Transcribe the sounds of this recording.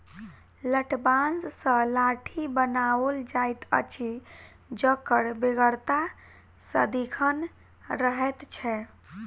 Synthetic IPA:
ləʈbanssə̃laʈʰibənawəld͡ʒajt̪ə̰t͡ʃʰi | d͡ʒəkəɽbeɡəɽt̪a | sə̰d̪ikʰən | ɾəɦɛt̪t͡ʃʰɛ

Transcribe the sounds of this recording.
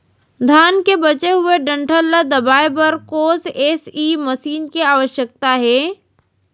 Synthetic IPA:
d̪ʱaːnkebɐt͡ʃeɦʊeɖə̃ɳʈʰəlːad̪əbaːjbəɾkoːseːsiːməsiːnkiaːʋəʃjək̚t̪aɦɛː

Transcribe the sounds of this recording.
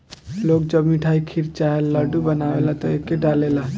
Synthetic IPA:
lok̚d͡ʒəbmiʈʰaikʰiɾt͡ʃaɦelːəɖubənawelat̪ɔekːeɖalela

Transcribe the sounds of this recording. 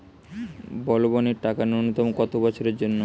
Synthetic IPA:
bɔloboneɾʈakanonot̪ɔmkɔt̪obɔt͡ɕʰoɾeɾd͡ʑonːo

